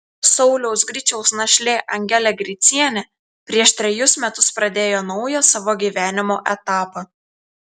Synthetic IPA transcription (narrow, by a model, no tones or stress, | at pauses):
sɒʊlʲɛʊsɡɾʲɪt͡ʃʲɛʊsnɐʃʲlʲeːʔɐŋʲɡʲɛlʲɛɡɾʲɪt̪sʲiɛnʲɛ | pʲɾʲiɛʃt̪ʲɾʲɛjʊsmʲɛt̪ʊspɾɐd̪ʲeːjoːnɒʊjosɑːʋoːɡʲiːʋʲæːnʲɪmoːʔɛt̪ɑːpɐ